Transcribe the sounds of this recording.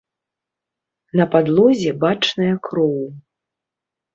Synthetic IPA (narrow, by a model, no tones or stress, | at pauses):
nɐpad̪lˠɔzʲɛbat͡ʂnɐjɐkɾɔw